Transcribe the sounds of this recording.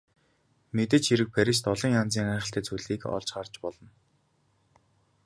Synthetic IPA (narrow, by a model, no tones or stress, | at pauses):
met̪̬ɘ̆t͡ɕʰxiɾɘ̆k̚pʰæɾʲiʃ̬t̪ɔɮɞ̆ŋjant͡siːŋæːχə̆ɬt̪ʰæːt͡sʰujɮiːkɔ̰ɮt͡ɕɢart͡ɕpɔɮɞ̆n